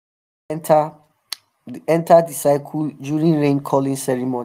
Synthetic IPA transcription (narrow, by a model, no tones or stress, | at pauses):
ɛ̃ntʰaddisaɪkʰuld͡ʒjuɹĩnɹẽnkʰɔlĩnsɛɹimõ